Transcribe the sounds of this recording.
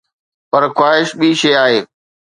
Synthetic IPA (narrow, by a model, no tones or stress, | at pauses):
pɐɾxwaːɦɪʃɓiʃeːaːɦeː